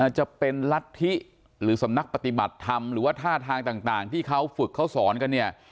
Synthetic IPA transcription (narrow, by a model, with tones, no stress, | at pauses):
t͡ɕa˨˩pe˧nla˦˥t̪ʰːi˦˥ʔ | ɾɯː˩˦sa˩˦mna˦˥k̚pa˨˧t̪i˨˩ba˨˩t̪ʰːa˧mɾɯː˩˦waː˥˩t̪ʰaː˥˩t̪ʰaː˧ŋt̪aː˨˩ŋt̪aː˨˩ŋt̪ʰiː˥˩kʰa˦˥wfɯ˨˩kʰːa˦˥wsɔː˩˦nka˧nːi˥˩ɐ